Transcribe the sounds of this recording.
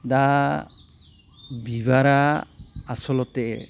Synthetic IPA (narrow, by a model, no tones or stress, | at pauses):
da | bibaɾaː | sɔlɔt̪ɛɛ̰